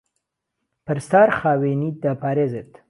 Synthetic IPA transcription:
pəɾst̪aɾχɑːwenid̪apaɾezet̪

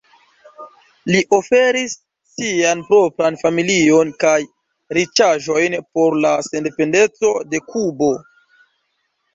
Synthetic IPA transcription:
liʔo̞feɾisː | ianpɾo̞pɾanfamilio̞nkaj | ɾit͡ʃaʒo̞jnpo̞ɾlase̞nde̞pe̞nde̞t͡so̞de̞kubo̞

